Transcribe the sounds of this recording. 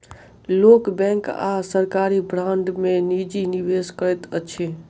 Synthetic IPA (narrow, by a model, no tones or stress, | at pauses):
loːkbɛ̃ːŋka̰səɾkaːɾibɾãnɖ̪mẽnid͡ʒinɪʋeːskəɾɛt̪ət͡ʃʰe